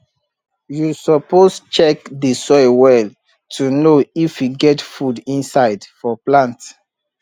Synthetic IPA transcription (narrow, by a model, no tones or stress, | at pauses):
jusɔpost͡ʃɛkdəsɔɪwɛl | tʰunoifjuɡɛtfudĩnsaɪdfɔplãnt